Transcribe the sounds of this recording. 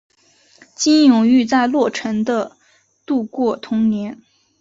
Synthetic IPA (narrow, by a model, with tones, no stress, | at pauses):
t͡ɕi˥njʊ˨˩ŋy˥˧t͡sa˥˧ɪlwɔ˥˩ʈ͡ʂʰə˧˥nd̪ə˧ | t̪u˥˧kwɔ˥˩t̪ʰʊ˧˥ŋnjɛ˧˥n